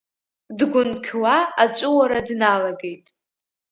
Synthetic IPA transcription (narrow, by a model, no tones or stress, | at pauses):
dɡʷʊnkʲʰwaat͡ʃʷʼʊwaɾadnalaɡe̞jtʼ